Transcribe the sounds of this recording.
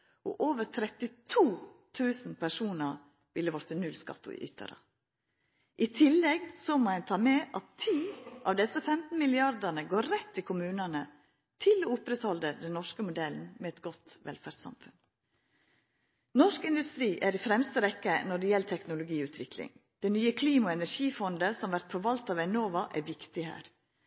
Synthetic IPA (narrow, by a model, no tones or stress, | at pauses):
ʔɔ̰ʔoːʋəɾt̪ʰɾɛt̪ɪt̪ʰuːt̪ʰʉːsn̩pʰæʂuːnəɾ | ʋɪlːəʋɔɾt̪ənʉlskɑ̰t̪ːʊ̰ɪ̰ʔʏ̰t̪ʰːə̰ɾə̰ | ʔɪt̪ʰɪlːɛɡsɔmoːæɪnt̪ʰɑːmɛʔɑt̪ʰːiːʔɑʋd̪ɛsːəfɛmt̪n̩mɪlɪɑɾd̪ənəɡoːɾɾɛt̪ʰːɪlkʰʊmʉːnənə | t̪ʰɪloʊpɾɛt̪hɔləd̪ɛnːɔʂkəmʊd̪ɛln̩mɛɛt̪ɡɔt̪ʋɛ̰lfæɾɖsɑ̰mfʉn | nɔʂkɪnd̪ʉst̪ɾiːʔæɾɪfɾɛmst̪əɾɛkːənɔɖɛjɛlːt̪ʰɛknʊlʊɡiːʉːt̪ʰʋɪklɪ̰ŋd̪̥ɛnyːəkʰliːmɑɛnæɾʂiːfɔnd̪əsɔmʋæɾt̪̚pʰɔʋɑlt̪ɑʋæɪnoːʋɑʔæɾʋɪkt̪ɪhæ̰ːɾ